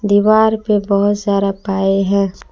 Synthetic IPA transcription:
d̪iːʋaːɾpebəɦʊt̪zjaːd̪apaːeɦɛ̃ː

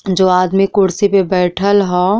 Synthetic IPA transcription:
d͡ʒoːaːd̪mikʊɽsipebɛːʈʰəlɦoː

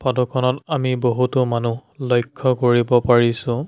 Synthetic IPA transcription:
pɔdɔkʰɔnɔtamiboɦutʊmanulɔjkʰːɔkoɹibɔpaɹisʊ̃

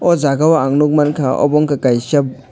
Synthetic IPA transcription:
ɔzaɡawaːŋnuk̚mankʰaʔɔ̰bɔŋkakajsɐb̚

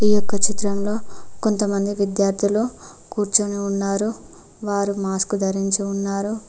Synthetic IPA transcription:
iːjokːɐt͡ʃit̪ɾɐmlo̞ːko̞nt̪ɐmɐnd̪iʋid̪jaːɾd̪ʰʱiloː | kuːɾt͡ʃuːniunːaːɾu | ʋaːɾumaːskud̪ɐɾiɲt͡ʃiunːaːɾu

